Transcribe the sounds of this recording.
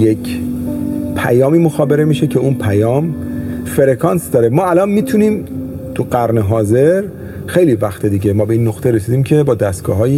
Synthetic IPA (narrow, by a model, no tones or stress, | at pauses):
jecʰ | pʰæ̰jɒːmiːmoxɒːbe̞ɾe̞miːʃecʰe̞unpʰæjɒːmfe̞ɾekʰɒnsd̪ɒːɾemɒːælɒnmiːt̪ʰuniːmt̪ʰuɢæɾneɦɒːze̞ɾ | xe̞jlivæxt̪ʰed̪iːɟe̞mɒːbe̞iːnːoxt̪ʰeɾe̞siːd̪iːmcʰe̞bɒːd̪æst̪̚ɡ̥ɒ̰ːɦɒːji